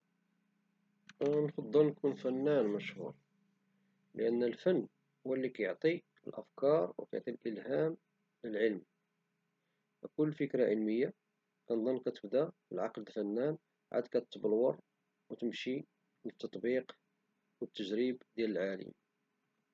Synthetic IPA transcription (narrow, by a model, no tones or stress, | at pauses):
nfɑd̪ˤːəlnkunfænːænmæʃhṵɾ | ləʔənːəlfənː | hʊwːælːikæjoʕt̪ˤi | əlʔə̰fkɑɾˤwəkæjʕt̪ˤilʔəlɦæm | ləlʕəlm | fækʊlːfəkɾaʕəlməjːa | kænd̪ˤənːkæt̪əbd̪æəlʕɑ̰qld̪fænːæn | ʕa̰d̪kæt̪t̪ːblwɑɾˤ | wət̪əmʃi | lət̪ːɑt̪ˤbiq | wət̪ːəʒɾibd̪jæləlʕalə̰m